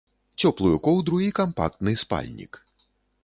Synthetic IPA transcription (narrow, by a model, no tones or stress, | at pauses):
t͡sʲɔplˠujukɔwd̪ɾuikampa̰k̚t̪nɨspa̰lʲnʲḭk